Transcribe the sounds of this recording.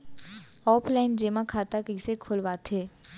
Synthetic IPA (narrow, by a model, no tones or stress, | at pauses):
ɔːpʰlaɪnd͡ʒeːmãkʰaːt̪akɪsekʰoːlʋat̪ʰeː